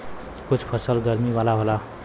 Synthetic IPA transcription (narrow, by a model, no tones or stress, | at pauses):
kut͡sʰpʰʌsʌlɡʌɾmiwalaɦola